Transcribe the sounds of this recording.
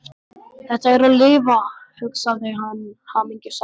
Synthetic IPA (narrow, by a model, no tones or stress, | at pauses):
θɛht̪aɛɾalɪːvahʏksaðɪɦanːhaːmiɲcɪsa